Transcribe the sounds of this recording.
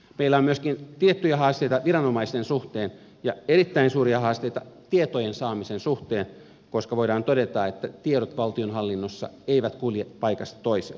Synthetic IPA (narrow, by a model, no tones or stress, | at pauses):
meilːæomyøskint̪iet̪ːyjæhɑːst̪eit̪ɑʋirɑnomɑist̪ensuht̪eːn | jɑeɾit̪ːæinsuːɾiɑhɑːst̪eit̪ɑt̪iet̪ojensɑːmisensuht̪eːn | koskɑʋoidɑːnt̪odɾet̪ɑet̪ːæt̪ieɾot̪ʋɑlt̪ionɦɑlːinːosːɑ̰eiʋæt̪kuljepɑikɑst̪ɑ̥t̪oisḛ